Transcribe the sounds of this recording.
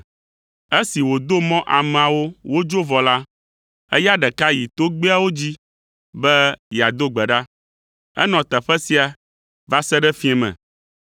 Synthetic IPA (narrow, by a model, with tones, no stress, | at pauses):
e˦si˨wo˨d̪o˦mɔ̃˦ʔa˨m̃˨a˨wo˦wo˦d͡ʒo˦vɔ˨la˦ | ɛ̰˦ja˦ɖɛ˨ka˦ji˨t̪o˦ɡ͡be˦a˦wo˦d͡ʑi˦ | bɛ˦ja˨d̪o˦ɡ͡bɛ˨ɖa˦ | ɛ̰˦nɔ̃˨t̪ɛ˨ɸɛ˦si˦a˨ | va˦sɛ˦ɖɛ˦fĩ˦ɛ̃˨mɛ̰̃˨